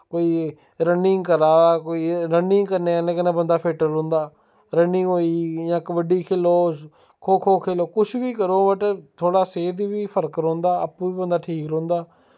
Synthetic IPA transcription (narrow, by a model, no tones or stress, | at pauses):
koːiː | ɾənɪŋɡkəɾaːkoːiːɾənɪŋɡkəɾneːənẽːkənẽːbənd̪aːpʰeːʈəɾõːnd̪aː | ɾənɪ̃ŋɡɦoːiːjãːkʋəɖiːkʰeːloː | kʰoːkʰoːkʰeːloːkʊʃʰʋiːkəɾoːməʈt̪ʰoːɽaːseːd̪ibiːpʰəɾkɾõːnd̪aːə̰pːũːiːbənd̪aːʈʰiːkɾõːnd̪aː